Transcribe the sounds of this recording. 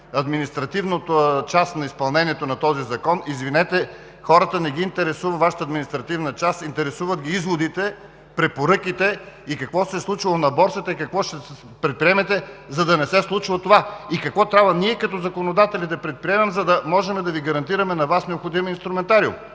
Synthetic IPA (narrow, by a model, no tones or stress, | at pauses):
ɐd̪minist̪ɾɐt̪ivnot̪ot͡ʃast̪nɐispɐlˠnɛniɛt̪onɐt̪ɔzizɐkɔnizvinɛt̪ɛ | xɔɾət̪ənɛɡiːnt̪ɛɾɛsuvəvaʃə̥t̪əːd̪minist̪ɾɐt̪ivnət͡ʃast̪int̪ɛɾɛsuvət̪ɡʲiizvod̪it̪ɛ | pɾɛpoɾɤkit̪ɛikɐkvɔsɛslˠut͡ʃilˠonɐbɔɾsət̪əikɐkvɔʃt̪ɛ | pɾɛt̪̚pɾiɛmɛt̪ɛzɐd̪ɐnɛsɛslˠut͡ʃivət̪ovaikɐkvɔt̪ɾʲabvɐniɛkɐt̪ɔzɐkonod̪at̪ɛlʲid̪ɐpɾɛt̪̚pɾiɛmɛmzɐd̪ɐmɔʒɛmɛd̪ɐviɡɐɾɐnt̪iɾɐmɛnɐvasnɛopxod̪iminst̪ɾumɛnt̪aɾiṵm